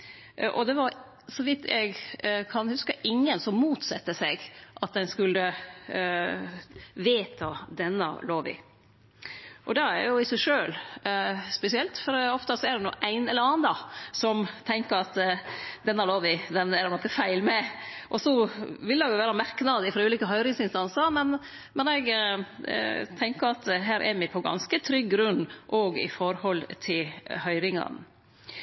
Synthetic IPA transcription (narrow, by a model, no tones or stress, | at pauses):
ʔɔd̪ɛʋɑɾ | sɔʋɪt̪ʰːɛ̰ɡkʰɑnhʉskəʔɪŋːənsɔmmuːt̪sɑt̪ːəsɛɡʔɑt̪̚d̪ɛnskʉlːə | ʋeːt̪ʰɑd̪ɛnːɑ̰loːʋɪ̰ | ʔɔd̪ɛæ̰ɾjʊɪsæɪʂøːl | spɛsɪɛlt̪fɔɾɔft̪əsɔæɖ̪ɛnṵːʔæɪnɛlːəɾɑːɑnd̪ɑsɔmt̪ʰɛŋkəɾɑt̪d̪ɛnːɑɾloːʋɪd̪ɛnæɾnɔkːəfæɪlmɛʔɔsɔʋɪld̪ɛɡjʊʋæːɾɑmæɾknɑd̪ɪfɾɑʉːliːkəɦœʏɾɪŋsɪnst̪ɑnsəɾmɛn | mɛnɛɡ | t̪ʰɛŋkəɾɑt̪ɦæːɾʔɛ̰ɾmɪpʰɔɡɑ̰nskət̪ʰɾʏɡːɾʉnːʔɔɡɪ̰fɔɾhɔlːt̪ʰɪlhœʏɾɪŋɑ̰n